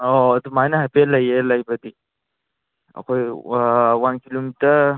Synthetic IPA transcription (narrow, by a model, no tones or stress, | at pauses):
od̪umajnaɦajpeləjeləjbəd̪i | ɐ̰kʰoj | wankilomitəɾ